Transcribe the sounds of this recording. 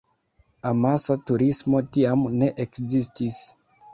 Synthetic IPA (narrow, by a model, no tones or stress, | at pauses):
amasatuɾismo̞tiamne̞ʔekzistis